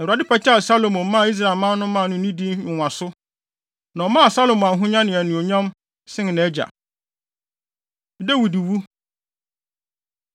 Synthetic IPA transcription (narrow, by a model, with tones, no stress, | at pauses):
nnã˨a˨dɪ˦pʰa˦t͡ɕʰɛ˦a˨sa˦lo˨mʊ̃˨˦mã˦˨i˦s̬ɾa˨lmã˦nʊ̃˦mã˦˨nʊ̃˦ĩ˦di˦ʊ̃˨ã˨sʊ˦ | nã˨ɔ˨mã˦a˨sa˦lo˨m̃˨ã˨n˨ɦʊ̃˦ɲã˦nɪ̃˨æ˨nʊ̃˨o˨ɲã˦m | sɪ̃˦ŋ˨nã˨˦d͡ʑa̰˨ | dɛ˦˨wi˨di˨wu˦